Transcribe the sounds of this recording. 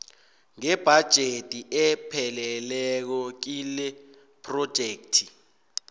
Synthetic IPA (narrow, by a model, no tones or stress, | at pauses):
ŋɛb̥ʱad̥ʒ̥ʱetʼiʔɛpʰɛlɛlɛk̬ɔk̬ilɛ | pʰʼrɔd̥ʒ̥ʱeːk̚tʰi